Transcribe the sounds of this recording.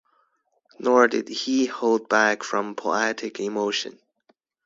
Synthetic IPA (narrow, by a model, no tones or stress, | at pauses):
nɔɹdɪd̚ihoʊlˠd̚bækfɹʌ̃mpʰoʊɛɾɨkʰɪmoʊʃɨ̰̃n